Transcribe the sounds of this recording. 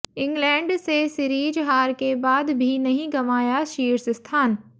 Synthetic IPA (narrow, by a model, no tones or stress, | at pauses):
ɪ̃ŋɡlɛ̃ːɳɖsesɪɾiːd͡ʒɦaːɾkebaːd̪bʱinɐɦĩɡɐmaːjaʃiːɾsɪst̪ʰaːn